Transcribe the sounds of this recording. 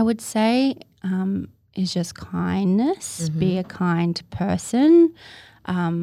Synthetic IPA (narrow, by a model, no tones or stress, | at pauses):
ɪwɨd̥seɪ | ʌ̃m | ʔɨzd͡ʒʌskʰãɪ̃nːɨsb̥iɨkʰãɪ̃npʰɜ˞sɨ̃n | ʔʌ̃m